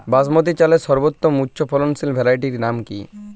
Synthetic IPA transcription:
basmot̪̬it͡ɕaleʃɔɾbot̪ːomutːɕʰofʰɔlonsilbʱɛɾajʈiɾnamkḭ

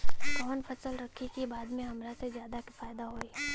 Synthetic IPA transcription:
kɔːnfʰɐsəlɾɐkʰikibaːd̪mẽɦɐmɾasezjaːd̪aki̥faːjd̪aɦoːi

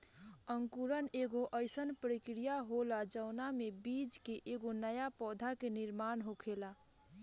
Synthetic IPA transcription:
əŋkuɾəneɡoʔəɪsənpɾikɾijaɦolad͡ʒəʊnamebid͡ʒkeʔeɡonəjapɔd̪ʱakeniɾmanɦokʰela

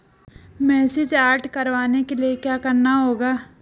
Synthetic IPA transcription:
mɛːsɪd͡ʒaːɾʈkɐɾʋaːnekeliekjaːkɐɾnaɦoːɡaː

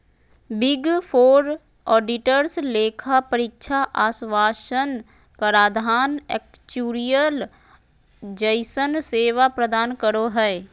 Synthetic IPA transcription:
bɪɡpʰoːɾ | ɔːɖɪʈəɾsleːkʰapəɾɪkʃʰaʔaːsʋaːʃən | kəɾaːd̪ʱaːnɛ̰k̚ | t͡ʃuːɾijəl | d͡ʒəɪsənseːʋapɾəd̪aːnkəɾoɦɛː

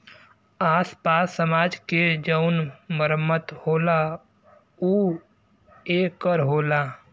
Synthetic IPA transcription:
aːspaːsːəmaːd͡ʒked͡ʒəʊnməɾəmːət̪hoːla | uː | eːkəɾɦoːlaː

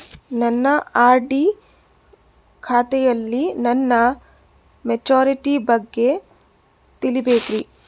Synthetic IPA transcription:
nɐnːɐaːɾɖi | kʰaːt̪ɛjɐlːinɐnːɐ | med͡ʒoːɾiʈibɐɡːe̞ | t̪ilibeːkɾi

